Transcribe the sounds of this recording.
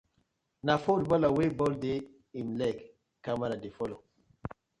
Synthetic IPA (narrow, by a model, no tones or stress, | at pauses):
nafolbɔlawebɔlde | imlɛk | kːamaɾadefɔlo